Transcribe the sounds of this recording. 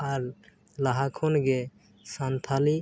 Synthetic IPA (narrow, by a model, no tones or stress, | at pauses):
aɾ | laɦakʰonɡe | sant̪ʰali